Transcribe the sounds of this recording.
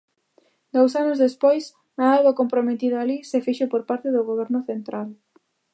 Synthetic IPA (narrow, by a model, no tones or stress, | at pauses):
d̪ows̬anʊzðespojs | naaβakompɾomet̪iðalisefiʃopoɾpaɾt̪eðʊɣ̞oβɛɾnʊθent̪ɾʔal